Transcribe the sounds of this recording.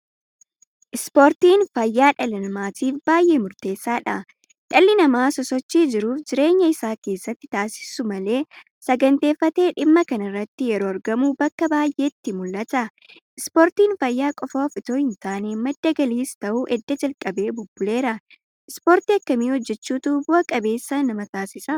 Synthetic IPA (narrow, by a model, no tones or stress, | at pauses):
ʔɪspoːɾt̪iːnfɐjːaːᶑɐlɪnɐmaːt̪iːfbaːjʔe̞ːmʊɾt̪e̞ːsːaːᶑɐ̰ | ᶑɐlːɪnɐmaːsɔsɔt͡ʃːiːd͡ʒɪɾuːfd͡ʒɪɾe̞ːɲːɐɪsaːke̞ːsːɐt̪ːɪ̥t̪aːsɪ̥sʊmɐle̞ː | sɐɡɐnt̪e̞ːfːɐt̪e̞ːᶑɪmːɐkɐnɐɪrːɐt̪ːɪjɛɾo̞ːɐɾɡɐmuːbɐkːɐbaːjʔe̞ːt̪ːɪmʊlːɐt̪ɐ | ɪspoːɾt̪iːnfɐjːaːkʼɔfoːfɪt̪oːhɪnt̪aːneːmɐd̪ːɐɡɐliːst̪ɐʔuːʔɛd̪ːɐd͡ʒɐlkʼɐbe̞ːbʊbːʊle̞ːɾɐ | ʔɪspoːɾt̪iːɐkːɐmiːhɔd͡ʒːɛt͡ʃːuːt̪ubʊʔɐkʼɐbe̞ːsːɐnɐmɐt̪aːsɪsɐ